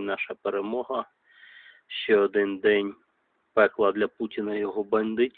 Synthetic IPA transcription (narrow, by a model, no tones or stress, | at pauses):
nɑʃɐpeɾemɔɦɐ | ʃt͡ʃɛɔd̪ɪnd̪ɛnʲ | pɛklˠɐd̪lʲɐputʲinɐjɔɦɔbɐnd̪ɪtʲ